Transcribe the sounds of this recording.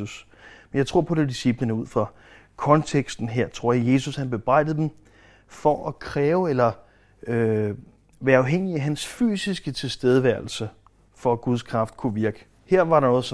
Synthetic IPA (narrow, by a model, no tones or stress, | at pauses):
us | menjɑ̈ɪt͡sʰʁo̝ɐ̰pʰɒ̽d̥ed̥isib̥lənəuð̰ˠfʁɑ̈ | kʰɒ̽nt͡sʰeɡ̥sd̥n̩ɦeɐ̰t͡sʰʁo̝ɐ̰jɑ̈je̝sushænb̥e̝b̥ʁɑ̈ɪ̰d̥ð̩ˠd̥em | fɒʔækʰʁɛːʊelɐ | ø | ʋæːɐɑ̈ʊɦeŋ̰iæɦænsfy̰ːsisɡ̥ət͡sʰe̝lsd̥eð̞ˠəʋæɐl̩sə | fɒ̽æɡ̥uð̞ˠskʰʁɑ̈fd̥kʰuʋiɐɡ̥ə | heɐ̰ʋɑ̈ɾɑ̈nɔ̽ːð̩ˠs